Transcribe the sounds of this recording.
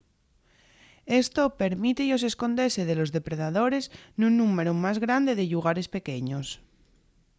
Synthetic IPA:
e̞st̪ope̞ɾmit̪ejo̞s̬e̞sko̞nd̪e̞seðelo̞zðe̞pɾeðaðo̞ɾe̞snunːũme̞ɾumazɣɾand̪e̞ðe̞ʎuɣ̞aɾe̞spe̞keɲos

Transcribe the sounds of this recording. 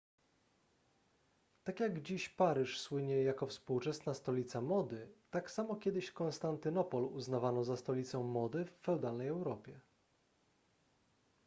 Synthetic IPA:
t̪akjaɡd͡ʑiɕpaɾɘʂswɘɲɛjakɔfspuwt͡ʂɛsnast̪ɔlʲit̪samɔd̪ɘt̪aksamɔkʲɛd̪ɘɕkɔ̃nst̪ant̪ɘnɔpɔluznavanɔzast̪ɔlʲit̪sɔ̃w̃mɔd̪ɘfːɛwd̪alnɛjɛwɾɔpʲjɛ

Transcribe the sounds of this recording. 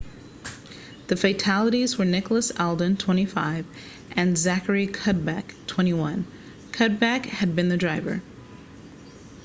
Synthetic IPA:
ðɨfeɪtʰælˠəɾizwə˞nɪklˠəsɛlˠdɨ̃ntʰw̥ɛ̃ɾ̃ifa̰ɪv | ʔɨ̃nzækə˞ikʰʌt̚bæktʰw̥ɛ̃ɾ̃iwʌ̃n | kʰʌt̚bækhɨd̚bɨ̃nðɨdɹaɪvə̰˞

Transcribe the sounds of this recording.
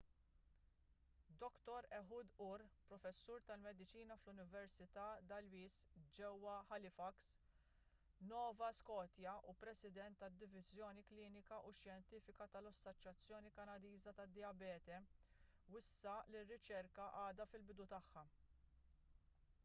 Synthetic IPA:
d̪ɔkt̪ɔɾɛħuːd̪ʊɾpɾɔfɛsːuːɾt̪ɐlmɛd̪ɪt͡ʃiːnɐflʊnɪvɛɾsɪt̪ɐːd̪ɐlwiːsd͡ʒɛwːɐħɐlɪfɐks | nɔːvɐskɔːt̪jɐupɾɛsɪd̪ɛnt̪ːɐd̪ːɪvɪzjɔːnikliːnɪkɐʔuʃjɛnt̪iːfɪkɐt̪ɐlɐsːɔt͡ʃːjɐt͡sːjɔːnikɐnɐd̪iːzɐt̪ɐd̪ːɪjɐbɛːt̪ɛ | wɪsːɐlɪrːɪt͡ʃɛɾkɐʔɐːd̪ɐfɪlbɪd̪ut̪ɐħːɐ

